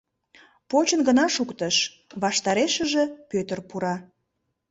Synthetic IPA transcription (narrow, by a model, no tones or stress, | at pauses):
pot͡ɕənɡənɑʃukt̪əʃ | βɑʃt̪ɑɾeʃəʒĕpøt̪ərpuɾɑ